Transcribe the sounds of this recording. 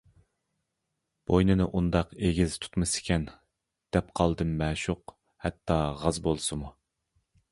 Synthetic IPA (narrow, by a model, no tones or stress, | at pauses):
b̥ojnɨnɨʔund̪ɑqeɡʲizt̪ʰu̥t̪mɨsɪ̥kʲɛn | d̪̥ɛpqʰɑlˠd̪ɨmːɛːʃuq | hɛt̪ʰːɑʁɑzbolˠsɨmu